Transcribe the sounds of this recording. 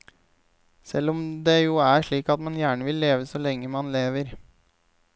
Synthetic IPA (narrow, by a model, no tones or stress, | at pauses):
sɛ̰lːɔmd̪ejuːæʂɭiːkɑt̪mɑnjæːɳəʋɪlːeːʋəsɔːlɛŋːəmɑnleːʋəɾ